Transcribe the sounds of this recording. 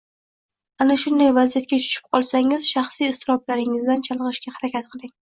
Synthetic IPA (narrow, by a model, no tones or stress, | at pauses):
anaʃʊnd̪ajvazijat̪̚kʲat͡ʃʰʊ̥ʃɪ̥p̚qʰɒlˠsaŋɪzʃɑχsiɪst̪ʰɪɾɒblaɾɪŋɪzd̪ant͡ʃʰɑlˠʁɨʃkʲahaɾakʲat̪̚qʰɨlˠɪŋ